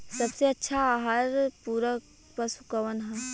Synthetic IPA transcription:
sɐbseɐtːʃʰaaːɦaɾpuɾək | pəsʊkəʋənɦɛ̃ː

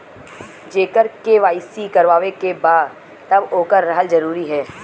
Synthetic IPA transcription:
d͡ʒeːkəɾkeʋaːɪsikɐɾʋaːʋekebaːd̪ | t̪ɐboːkəɾːɐɦəld͡ʒɐɾuːɾiɦɛː

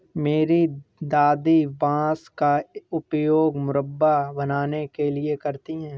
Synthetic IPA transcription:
meːɾid̪aːd̪ibãːskaʊpjoːɡmʊɾəbːabɐnaːnekelɪekɐɾt̪iɦɛ̃ː

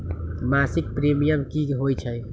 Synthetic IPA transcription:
maːsɪk̚pɾeːmijəmkiɦoːjt͡ʃʰəj

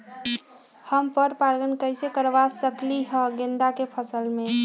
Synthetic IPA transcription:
həmpəɾpaɾɡənkəjsekəɾbasəkliɦə̃ɡend̪akepʰəsəlme

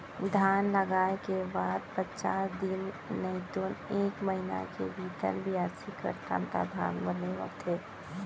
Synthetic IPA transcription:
d̪ʱaːnləɡaːekebaːd̪̚pətt͡ʃaːsd̪in | neid̪oːneːkməɦina̰kḛbiːt̪ə̰lbʱiaːɾsikɾə̰t̪ã̰nt̪a̰d̪ʱa̰ːnbəneʋət̪ʰeː

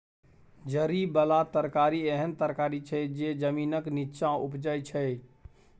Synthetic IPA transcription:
d͡ʒəɾibəlat̪əɾkaɾieɦənt̪əɾkaɾit͡ʃʰɛd͡ʒed͡ʒəminəkniʃãupd͡ʒəjt͡ʃʰə

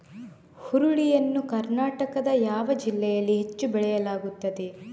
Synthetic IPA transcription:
huɾuɽijɐnːukɐɾnaːʈɐkɐd̪ɐjaːʋɐd͡ʒilːɛjɐlːiɦe̞t͡ʃːubɛɭɛjɐlaːɡut̪ːɐd̪e

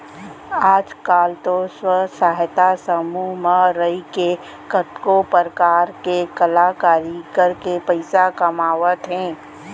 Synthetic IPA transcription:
aːd͡ʒkaːlt̪oswəsaːɦt̪asəmumaɾəike | kət̪kopəɾkaːɾkekəlakaːɾikəɾkepəɪsakəmaːʋət̪ɦɛ̃ː

